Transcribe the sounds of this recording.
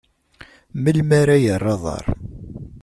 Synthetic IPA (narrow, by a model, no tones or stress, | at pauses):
məlmaɾajərˤːeðˤɑ̰ɾˤ